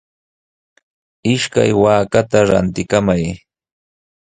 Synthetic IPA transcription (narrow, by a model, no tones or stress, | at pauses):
ɪʃka̰jwaːkat̪aɾa̰nt̪ɪkamaj